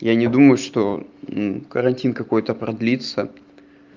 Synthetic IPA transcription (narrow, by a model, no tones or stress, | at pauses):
janʲɪd̪uməjʊʂt̪o̞nukəɾɐnʲtʲinkɐko̞jt̪əpɾɐd̪lʲit̪sə